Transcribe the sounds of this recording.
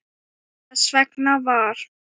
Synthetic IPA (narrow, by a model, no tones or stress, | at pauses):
svɛknavaɾ̥